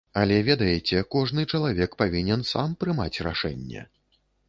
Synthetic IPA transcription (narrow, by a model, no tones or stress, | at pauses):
ɐlʲɛvʲɛd̪ɐjɛt͡sʲɛkɔʐnɨt͡ʂɐlˠavʲɛkpavʲinʲɛnsampɾɨmat͡sʲra̰ʂɛ̰nʲːɛ̰